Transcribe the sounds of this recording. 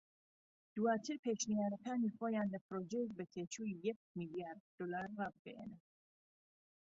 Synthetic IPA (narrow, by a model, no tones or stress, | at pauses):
d̪̥uaːt̪ʰɨɾpʰeːʃnijaːɾɐkʰaːniχoːjaːnləpʰɾoːd͡ʒɛjɛk̚bɛt̪ʰeːt͡ʃʰuːijɛk̚milijaːɾd̪̚d̪̥olaːɾːab̚ɡ̥ɛjɛ̰nɛ